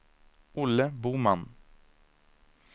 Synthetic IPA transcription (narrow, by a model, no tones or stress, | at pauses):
ʔʊləbuːman